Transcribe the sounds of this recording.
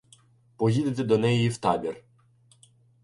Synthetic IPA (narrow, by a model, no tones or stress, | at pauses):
pɔɦʲid̪et̪ed̪ɔnɛjʊiwt̪ɑbʲir